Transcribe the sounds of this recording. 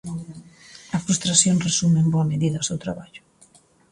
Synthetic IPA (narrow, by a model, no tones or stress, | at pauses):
ɐfɾust̪ɾasjonresumemboɐmeðiðɐsewt̪ɾaβaʎʊ